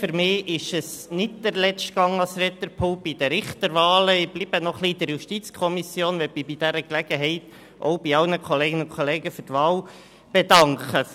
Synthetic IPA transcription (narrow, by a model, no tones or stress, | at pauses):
fyɾmɪːʔɪʃəsnɪdd̥̪əɾlɛt͡ʃtɡ̥ɑŋɑlsɾɛt̪əɾpʰoːb̥id̥̪əɾɪχtəɾʋɑːləɪb̥liːb̥ənɔχlid̥̪əɾjuʃtit͡skʰɔmisjoːnʋɛmibid̥æɾəklæɡ̥əɦɛɪt | ʔɔ̰ʊb̥iɑlnəkʰɔleːɡɪnʊnkχɔleːɡəfʏɾtʋɑːl | b̥ɛdɑŋkχə